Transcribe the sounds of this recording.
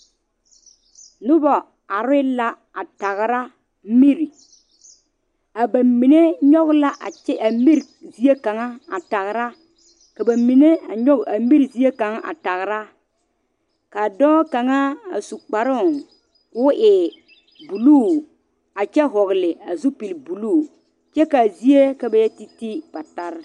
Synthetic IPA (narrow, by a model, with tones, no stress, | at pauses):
nʊ˦bɔ˨ | a˨ɾɪ˦la˦ | a˨ta˨ɣɾa˦ | mi˦ɾi˨ | a˨ba˨mi˨ne˦ɲɔ˦ɣla˦ʔa˨ɛ˦a˨mi˦ɾzi˨e˦ka˨ŋa˦a˨ta˨ɣɾa˦ | ka˨ba˨mi˨ne˦a˨ɲɔ˦ɡa˨mi˦ɾi˨zi˨˦e˦ka˨ŋa˦ʔa̰˨ta˨ɣɾa˦ | ka˨dɔ˦ka˨ŋa˦a̰˨su˨k͡pa˨ɾʊ˦˨ŋ | kʊ˨˦ʔɪ˨ | bu˨luː˦˨ | a˨t͡ʃɛ˦ɦɔ˨ɣlɪ˨a˨zu˦pi˨lbu˨luː˦˨ | t͡ʃɛ˦ka˨zi˦e˦ka˨ba˨jɛ˦ti˦ti˦b̥a˨ta˦ɾ